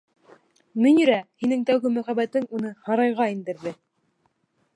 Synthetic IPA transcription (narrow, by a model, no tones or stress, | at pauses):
mɵ̆nʲĭɾæhinɘŋt̪æwɡɘmæχæbæt̪ɘŋunɤhɑɾɑjʁɑind̪ɘ̆ɾðɘ